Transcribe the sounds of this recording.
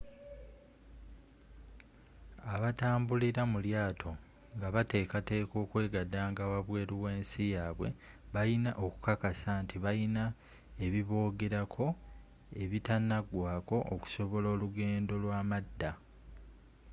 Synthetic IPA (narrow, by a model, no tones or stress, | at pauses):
aβataːmbuliɾamuljaːtʰo̞ | ŋɡaβate̞ːkate̞ːko̞ːkwe̞ːɡadaːŋɡawaβwe̞ːɾuwe̞ːnsijaːβwe̞̰βajinaʔo̞ku̥kakasaːntiβajina | e̞βiβo̞ːɡe̞ɾakʰo̞ | e̞βitanaɡwaːko̞ʔoku̥so̞βo̞lo̞ːluɡe̞ːndo̞lwaːmadːa